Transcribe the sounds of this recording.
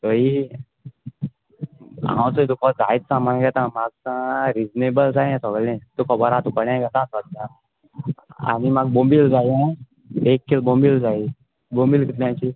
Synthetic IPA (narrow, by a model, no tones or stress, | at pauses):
kəi | ã̰wt͡səit̪̬ukɔd͡za̰it̪samanɡɛt̪ãmaɡ̚sãɾid͡znebəld͡zajɛ̃sɔɡlɛ̃t̪ukʰɔbəɾãt̪ukəɽãɡɛt̪ãsɔd̪ã | a̰nimaɡ̚bombild͡zajɛ̃ | ekːilbombild͡zai | bombilkit̪ljãt͡ɕi